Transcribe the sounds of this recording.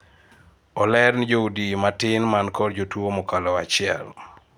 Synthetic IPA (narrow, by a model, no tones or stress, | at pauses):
ɔlɛɾnd͡ʒoudimatɪnmankɔrd͡ʒotwomokalɔat͡ʃɪɛ̰l